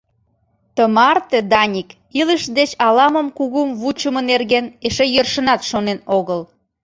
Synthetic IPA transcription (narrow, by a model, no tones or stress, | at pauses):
t̪əmɑrt̪ĕd̪ɑnʲik | iləʃd̪et͡ɕɑlɑməmkuɣumβut͡ɕəmə̆nerɣeneʃejørʃə̆nɑt̪ʃonenoɣəl